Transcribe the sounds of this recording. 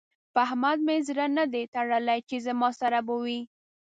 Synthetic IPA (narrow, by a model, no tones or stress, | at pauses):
paɦmad̪mezɾanad̪et̪aɽəlajt͡ʃezamɑsaɾabuwi